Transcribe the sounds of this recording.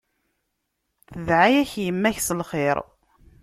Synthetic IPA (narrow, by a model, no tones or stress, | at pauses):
θəðʕajæçjəmːæçsəlχeɾˤ